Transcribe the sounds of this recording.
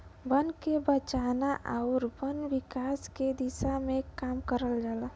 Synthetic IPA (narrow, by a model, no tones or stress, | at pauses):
bənkebət͡ʃanaʔaʊɾbənbikaːsked̪isamekaːmkəɾəld͡ʒala